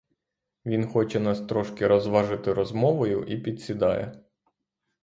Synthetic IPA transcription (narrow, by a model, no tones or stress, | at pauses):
ʋʲinxɔt͡ʃɛnɑst̪ɾɔʃkɪɾɔzʋɑʒɪt̪ɪɾɔzmɔʋɔjʊʔipʲid̪ʲsʲid̪ɑjɛ̰